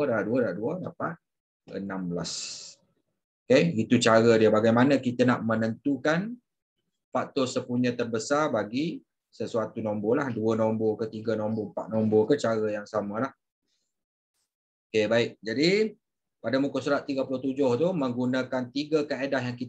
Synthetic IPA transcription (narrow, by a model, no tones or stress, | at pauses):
daaʔduədaaʔduəda̰pa | ə̰nãmbəlas | okeit̪ut͡ʃaɾədiəbaɡajmanəkit̪ənaʔmənənt̪ukan | paʔt̪osəpuɲə̃t̪ərbəsarbaɡi | səsuat̪unɔmbolahduənɔmbokət̪iɡənɔmbɔəmpaʔ̪̚nɔmbɔkət͡ʃaɾəjaŋsaməlah | okebaɪk̚d͡ʒadi | padamũkəsuɾaʔ̪iɡəpulʊht̪ud͡ʒʊht̪umə̃ŋɡunakant̪iɡəkəedahjaŋkit̪